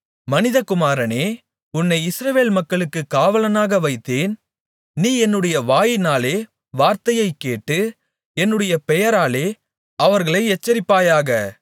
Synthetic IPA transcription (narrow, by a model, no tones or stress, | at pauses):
mɐnɪðɐkʊmaːɾɐneː | ʊnːɐɪɪsɾɐʋeːlmɐkːɐɭɯkːɯkːaːʋɐlɐnaːɣɐʋɐɪt̪ːeːn | niːɛnːɯɽɐjɐʋaːjɪnaːleː | ʋaːɾt̪ɐjɐɪkːeːʈːɯ | ɛnːɯɽɐjɐpɛjɐɾaːleː | ɐʋɐɾɣɐɭɐɪɛt͡ʃːɐɾɪpːaːjaːɣɐ